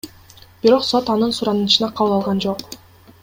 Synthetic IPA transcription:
b̥iɾo̞qso̞t̪ɑnɯnsuɾɑnɯnt͡ʃɯnɑqʰɑβɯlˠɑlˠʁɑnd͡ʒo̞q

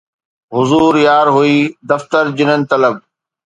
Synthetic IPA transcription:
ɦʊzuːɾjaːɾɦuiːd̪ɐft̪əɾd͡ʑɪnənɪ̆t̪ɐləb̚

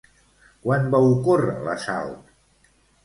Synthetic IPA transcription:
kwanbaukorə̰lə̰sa̰lt̪

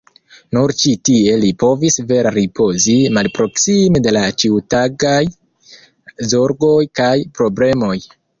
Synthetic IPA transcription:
nuɾt͡ʃitie̞lipo̞visve̞ɾaɾipo̞zimalpɾo̞ksimede̞lat͡ʃiwtaɡaj | zo̞ɾɡo̞jkajpɾo̞ble̞mo̞j

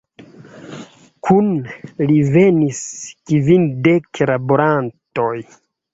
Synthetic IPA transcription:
kʰunlive̞niskivindeklaboɾanto̞j

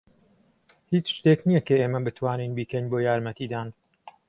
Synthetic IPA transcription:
hiːt͡ʃʃt̪eːknijɐkɐeːmɐbɨt̪ʰwaːninbiːkɐnboːjaːɾmɐt̪ʰiːd̪aːn

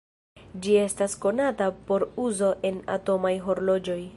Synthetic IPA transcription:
d͡ʒie̞stasko̞natapo̞ɾuzo̞ʔe̞na̰to̞majɦo̞ɾlo̞d͡ʒo̞j

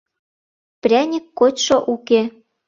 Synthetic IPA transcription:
prʲænʲikːotʲʃoʔuke

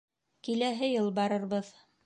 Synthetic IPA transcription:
kilæɦɘjɤlˠbɑɾɤ̆ɾβɤð

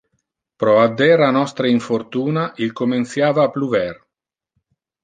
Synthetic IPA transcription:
pɾɔad̪ːɛɾanɔst̪ɾeiɱfort̪uːnaʔilkomensjaːvaːpluvɛr

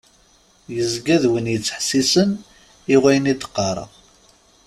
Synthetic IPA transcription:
jəzɡæðwənjət͡sːħsisən | iʁæjənit̪ːə̥qːɑɾˤə̰

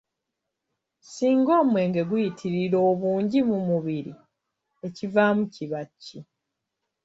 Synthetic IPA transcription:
siːŋɡo̞ːmwe̞ːŋɡe̞ɡwujitʰiɾiɾo̞ːβuːɲɟimumuβiɾi | e̞civamuciβacːi

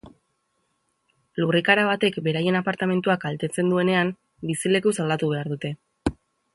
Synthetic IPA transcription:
lurikaɾaβ̞at̪e̞kbe̞ɾaje̞napaɾt̪ame̞nt̪uakalt̪e̞t͡se̞nd̪ue̞ne̞am | bisile̞kusald̪at̪uβ̞e̞aɾðut̪e̞

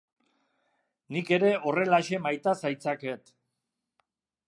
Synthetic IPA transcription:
nike̞ɾe̞o̞re̞laʃe̞majt̪asajt͡sake̞t̪

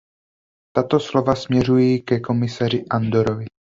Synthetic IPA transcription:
t̪at̪o̞slo̞vasmɲɛrujikɛko̞mɪsar̝ɪʔand̪oɾovɪ

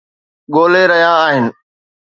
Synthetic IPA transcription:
ɠoːleɾɐɦjãːɦɪnɪ̆

